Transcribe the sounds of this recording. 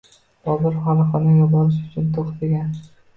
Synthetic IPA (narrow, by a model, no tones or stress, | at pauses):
bɒlˠɪɾχɑlˠɨqɨnajɒbɒɾɪʃʊt͡ʃʰʊnt̪ʰoχt̪ɪɡʲan